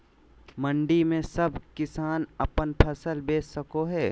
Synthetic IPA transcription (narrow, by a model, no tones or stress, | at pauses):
mə̃ɳɖimẽsɐbʱkɪsaːnɐpənpʰɐsəlbeːsːɐkoɦɛː